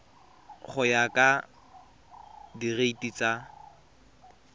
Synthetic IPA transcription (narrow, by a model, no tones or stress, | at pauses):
χʊjakʼa | direitʼit͡sʼa